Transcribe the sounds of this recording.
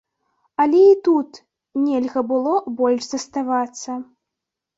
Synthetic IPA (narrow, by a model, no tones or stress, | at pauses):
ɐlʲɛit̪ut̪ | nʲɛlʲɣɐbɨlˠɔbɔlʲʂzɐst̪avat̪sːɐ